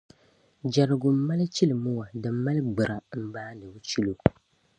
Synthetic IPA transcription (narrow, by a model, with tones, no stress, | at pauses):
d͡ʒa˨ɾɨ˨ɡʊ˨m̩˦ma˦lɨ˦t͡ʃi˦lɨ˨mʊ˦wa˨dɨ˨mː˦a˦lɨ˦ɡ͡bɨ˨ɾa˨m̩˦baː˦nɨ˨bʊ˦t͡ʃi˦lu˨